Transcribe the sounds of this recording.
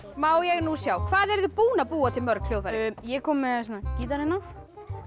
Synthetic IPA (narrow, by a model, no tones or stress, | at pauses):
mawjɛɣnusjawkʰvaːðɛɾðʏpuːnapuːat̪ɪmœɾkʰl̥jowðajɛkɔmsɛnːacit̪aɾɛnaf